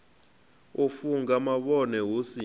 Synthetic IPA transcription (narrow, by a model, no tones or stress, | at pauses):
ufuŋɡamaɓɔnɛwusi